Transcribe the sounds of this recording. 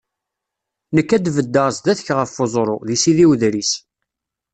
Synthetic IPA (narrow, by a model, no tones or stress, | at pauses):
nəkːæd̪vəd̪ːəʁsd̪æθəçʁəfːozˤɾˤoðisiðiwðɾis